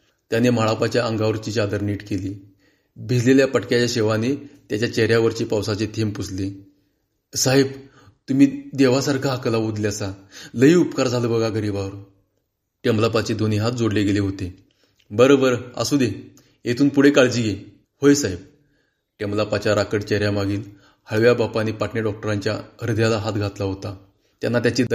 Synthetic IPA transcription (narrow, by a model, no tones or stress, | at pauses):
t̪janem̤aɭapat͡ɕjaʔəŋɡaʋəɾt͡ɕiːt͡ɕad̪əɾniːʈkeliː | bʱileljapəʈkjat͡ɕaɕeʋanet̪jat͡ɕjat͡ɕeɦɾjaʋəɾt͡ɕepawsat͡set̪ʰempusle | saɦeb | t̪umiːd̪eʋasaɾkʰaɦakəlaʋod̪ljasaləɦiːupkaɾd͡zʱaləbəɡaɡəɾiːbaʋəɾ | ʈemlapat͡ɕed̪oniɦat̪̚d͡zoɽleɡeleɦot̪e | bəɾobəɾa̰sud̪e | et̪ʰuːnpuɽ̤ekaɭd͡ʑiːɡe | hojsaeb | ʈemlapat͡ɕjaɾakəʈt͡ɕeɾjamaɡiːl | həɭʋjabapanipaʈneɖɔk̚ʈəɾaɲt͡ɕjaəɾd̪ʱjalaɦat̪ɡʱat̪laɦot̪a | t̪janːat̪̬jat͡ɕe